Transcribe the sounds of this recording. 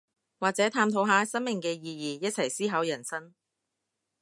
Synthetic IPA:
waː˨k̚t͡sɛː˨˥t̪ʰaː˧mt̪ʰo˨˧˥wɦaː˨˧˥sɐ˥nmɪ˨ŋkɛː˧jiː˧jiː˨jɐ˥t̚t͡sʰɐ˨˩jsiː˥ɦɐ˨˥wjɐ˨˩nsɐ˥n

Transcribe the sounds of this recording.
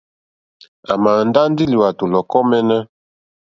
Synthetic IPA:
a˨ma˨nda˦ndi˦li˨wa˨to˨lɔ˨kɔ˦mɛ˦nɛ˦

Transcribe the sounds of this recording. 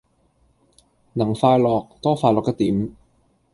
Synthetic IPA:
nɐ˨˩ŋfaː˧jlɔː˨k̚t̪ɔː˥faː˧jlɔː˨ktɐ˥k̚t̪iː˨˥m

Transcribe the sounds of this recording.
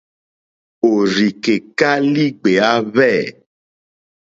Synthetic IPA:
o˨ɾi˨ke˨ka˦li˦ɡ͡be˨a˦βɛ˦˨

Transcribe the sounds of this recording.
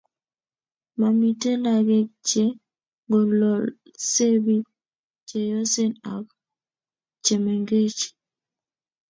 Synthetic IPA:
ma˨mi˨te˦la˨ɡe˦t͡ʃe˦ | ŋɡo˨lɔ˨ | se˦bi˦ | t͡ʃe˨jɔ˦se˦na̰˨k | t͡ʃe˨me˨ŋɡe˦t͡ʃi̥˨

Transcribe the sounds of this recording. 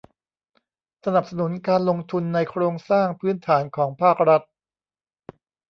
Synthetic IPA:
sa˧na˨˩p̚sa˧nu˩˦nkaː˧nlo˧ŋt̪ʰu˧nːa˧jkʰɾoː˧ŋsaː˥˩ŋpʰɯː˦˥nt̪ʰaː˩˦nkʰɔː˩˦ŋpʰaː˥˩k̚ɾa˦˥t̪̚

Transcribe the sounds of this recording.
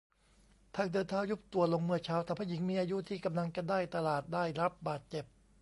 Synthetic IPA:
t̪ʰaː˧˩ŋdɤː˧nt̪ʰaː˧˥wju˦˥p̚t̪u˨˩ɐlo˧ŋmɯ˥˩ɐt͡ɕʰaː˦˥wt̪ʰaː˧˩pʰaː˦˥˩ji˩˦ŋmiː˧ʔaː˧ju˦˥t̪ʰiː˥˩ka˧mla˧ŋka˧ndaː˥˩jt̪a˧laː˨˩t̪̚daː˥˩jɾa˦˥p̚baː˨˩t̪̚t͡ɕe˨˩p̚

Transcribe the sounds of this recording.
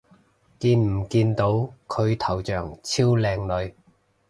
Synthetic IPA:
kiː˧nm̩˨˩kiː˧nt̪o˨˥wkʰɵ˨˧ɥt̪ʰɐ˨˩wt͡ʃœː˨˩ŋt͡sʰiː˥wlɛː˧ŋlɵ˨˧ɥ

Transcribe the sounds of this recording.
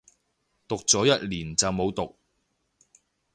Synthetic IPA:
t̪ʊ˨k̚t͡sɔː˨˥jɐ˥t̚liː˨˩nt͡sɐ˨wmo˨˧wt̪ʊ˨k̚

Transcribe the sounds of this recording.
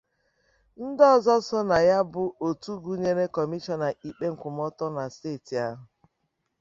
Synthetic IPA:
n̩˦dɔ˦˨zɔ˦sɔ˦na˨ja˦bʊ˨o˨tu˦ɡu˦ɲe˦ɾe˦kɔ˨mi˦t͡ʃɔ˦na˨i˨k͡pe˦ŋ̩˨kʷʊ˨m˦ɔ˦tɔ˦na˨steː˦˨ti˨a˦ɦʊ˨

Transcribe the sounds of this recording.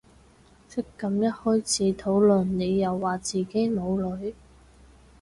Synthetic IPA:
sʰɪ˥kːɐ˨˧mjɐ˥t̚hɔː˥jt͡sʰiː˨˥t̪ʰo˨˥wlɵ˨˩nne˨˧jːɐ˨˧wːaː˨t͡siː˨˩ke˥jmo˨˧wlɵ˨˥ɥ

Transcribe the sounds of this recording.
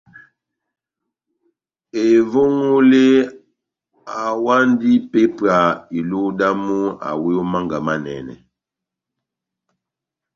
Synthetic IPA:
e˨vo˦ŋo˦le˦ | a˨wa˦ndi˦pe˦pa˨i˨lo˦da˦mu˦a̰˨we˦o˦ma˦ŋɡa˨ma˦nɛ̰˨nɛ̰˨

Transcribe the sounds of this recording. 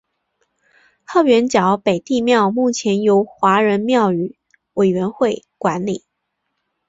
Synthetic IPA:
xɑ˥˩ʊɥɛ˧˥nt͡ɕjɑ˨˩˦ʊpe˨˩ɪt̪i˥˧mjɑ˥˧ʊmu˥˩t͡ɕʰjɛ˧˥njo˧˥ʊxwa˧˥ɻə˧˥nmjɑ˥˩ʊy˨˩˦ | we˨˩ɪɥɛ˧˥nxwe˥˩ɪkwa˧˥nli˨˩˦

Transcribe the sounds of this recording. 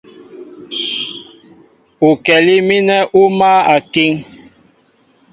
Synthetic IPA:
u˨kɛ˨li˦mi˦nɛ˦ʔu˦ma˦a˨ki˦ŋ

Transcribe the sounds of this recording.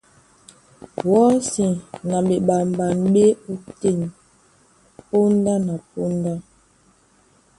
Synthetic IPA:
wɔ˨˦si˨na˨ɓe˨ɓa˨m˨ba˨nɓe˦u˦te˦˨n | po˦n˦da˦na˨po˦n˦da˦

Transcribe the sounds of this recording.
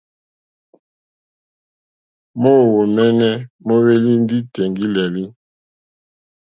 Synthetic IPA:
mo˦˨wo˨mɛ˦nɛ˦mo˦we˦li˦n˦di˦tɛ˨ŋɡi˦lɛ˨li˦

